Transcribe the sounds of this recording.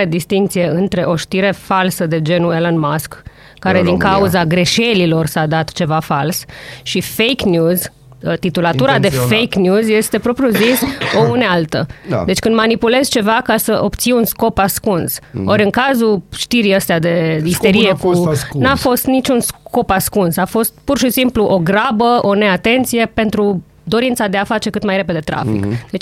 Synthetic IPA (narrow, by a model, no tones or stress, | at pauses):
ed̪ist̪iŋkt̪sijeɨnt̪ɾe̞ʔo̞ʃt̪iɾe̞falsəd̪e̞d͡ʒe̞nuelənmaskː | aɾe̞d̪iŋkauzaɡɾe̞ʃe̞lilo̞rsad̪at̪t͡ʃe̞vafalsʃifejknjuz | t̪it̪ulat̪uɾad̪e̞fejknʲjuzje̞st̪e̞pɾo̞pɾjuziso̞unealt̪ə̰d̪e̞t͡ʃkɨnd̪manipule̞zt͡ʃe̞vakasəʔo̞bt̪siunsko̞paskunso̞ɾʲɨŋkazuʃt̪iɾiəst̪ead̪e̞ist̪e̞ɾijekunuafo̞st̪nit͡ʃunsko̞paskunsafo̞st̪̚purʃisimpluʔo̞ɡɾabəo̞ne̞at̪e̞nt̪sije̞pe̞nt̪ɾu | d̪o̞ɾint̪sad̪e̞afat͡ʃe̞kɨt̪majɾe̞pe̞d̪et̪ɾa̰fḭkd̪et͡ʃ